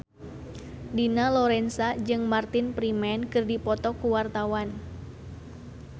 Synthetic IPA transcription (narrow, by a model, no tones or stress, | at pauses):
dinalɔɾɛnsad͡ʒɨŋmart̪inpɾimɛnkɨrdipɔt̪ɔkuwart̪awan